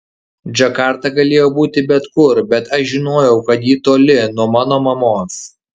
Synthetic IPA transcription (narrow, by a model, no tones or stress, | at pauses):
d͡ʒʲɐkɑːˑɾt̪ɑɡɐlʲeːjoːbuːt̪ʲɪbʲɛt̪kʊɾbʲɛt̪ɐʃʒʲɪnoːjɛʊkɐt̪jiːt̪oːlʲɪnuɔmɑːnoːmɐmoːs